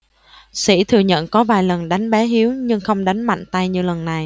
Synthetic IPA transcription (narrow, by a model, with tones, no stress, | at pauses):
sḭ˧˩t̪ʰɨ˨˩əɲə̰˧˨nkɔ˨˦vaː˨˩jlə˨˩nɗa˨˦jŋ̟ɓɛ˨˦ɦi˨˦əwɲɨ˧ŋxə˧wŋ͡mɗa˨˦jŋ̟ma̰˧˨jŋ̟t̪a˧jɲɨ˧lə˨˩nːa˨˩j